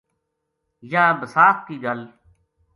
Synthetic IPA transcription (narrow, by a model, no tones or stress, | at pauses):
jãːbəsaːkkiːɡəl